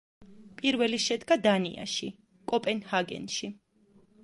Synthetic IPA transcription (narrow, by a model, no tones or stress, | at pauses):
pʼiɾvɛliʃɛd̪ɡad̪anḭʔa̰ʃi | kʼɔpʼɛnhaɡɛ̰nʃi